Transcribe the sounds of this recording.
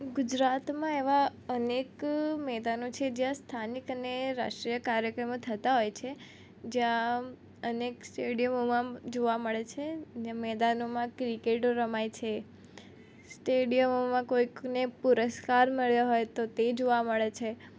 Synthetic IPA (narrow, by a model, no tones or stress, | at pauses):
ɡʊd͡ʒɾat̪mãeʋaənekmɛd̪anot͡ʃʰed͡ʒjãst̪ʰanikəneɾa̰ʃʈɾijəkaɾjəkɾəmot̪ʰət̪aɦojt͡ʃʰe | d͡ʒjã | əneksʈeɽijəmomãd͡ʒoʋaməɭet͡ʃʰed͡ʒjãmɛd̪anomãkɾikeʈoɾəmajt͡ʃʰe | sʈeɖijəmomãkoiknepuɾəskaɾməɭjaɦojt̪ot̪ed͡ʒoʋaməɭet͡ʃʰe